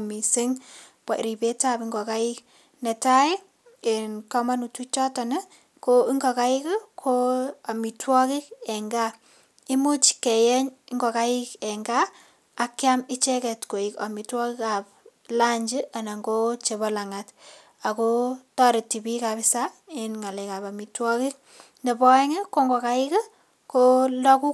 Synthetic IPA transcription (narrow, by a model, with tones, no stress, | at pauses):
mi˨si˦ŋpa˨ɾi˨pe˦ta˦˨pi˦ŋɡɔ˨ka˦i˦k | nɛ˨ta˦i˦ | e˨nkɔ˦ma˦nu˨tu˦t͡ʃɔ˦ta˨nɪ˦ | koi˦ŋɡɔ˨ka˦ɪ˦kkʰo˦a˨mi˨twɔ˦kɪ˦kɛ˨ŋɡa˦ | i˦mu˦t͡ʃke˨jɛ˦ɲi˦ŋɡɔ˨ka˦ɪ˦kɛ˨ŋɡaː˦˨ | kja˦mi˦t͡ʃɛ˦kɛ˨tko˨i˨ka˨mi˨twɔ˦ki˦ka˨p̚ | la˦ɲd͡ʒi˦a˨na˨ŋɡo˦t͡ʃe˨βɔ˦la˨ŋa˨t | a˨ko˦tɔ˦ɾe˨ti˨bi˦ka˨pi˦sa˦e˦nŋa˨le˨ka˨pa˨mi˨twɔ˦ki˦k̚ | nde˨pɔ˦ɛ˦ŋe˦ko˦ŋɡɔ˨ka˦ɪ˦ke˦ | ko˦lɔ˦ku˦